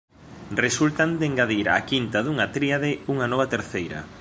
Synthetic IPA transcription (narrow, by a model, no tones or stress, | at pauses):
result̪and̪eŋɡaðiɾa̰kint̪aðuŋat̪ɾiaðɪuŋanɔβ̞at̪eɾθejɾɐ̰